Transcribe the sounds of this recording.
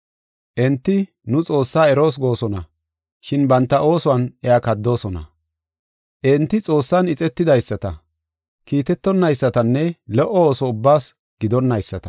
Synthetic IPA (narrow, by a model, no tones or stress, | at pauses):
ʔɛnt̪ːɪ | nʊt͡sʼo̞ːsːaːɛɾo̞ːs̬ɡo̞ːsɔnɐ | ʃɪnbɐnt̪ːɐʔo̞ːsɔɐnɛaːkɐd̪ːo̞ːsɔnɐ̰ | ʔɛnt̪ːɪt͡sʼo̞ːsːɐnɪt͡sʼɛt̪ːɪd̪ɐjsːɐt̪ɐ | kiːt̪ɛt̪ːɔnːɐjsːɐt̪ɐnːɛlɔʔɔoːsɔʊbːaːs | ɡ̥ɪd̪ɔnːɐjsːɐt̪ɐ̥